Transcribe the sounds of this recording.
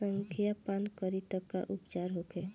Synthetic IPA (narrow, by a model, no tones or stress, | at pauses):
əŋkʰijapankəɾit̪əkːa̰ʔupt͡ʃaɾɦokʰe